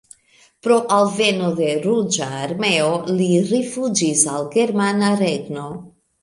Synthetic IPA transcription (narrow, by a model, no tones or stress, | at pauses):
pɾo̞ʔalve̞node̞ɾud͡ʒaːɾme̞oliɾifud͡ʒisalɡe̞ɾmanaɾeɡno̞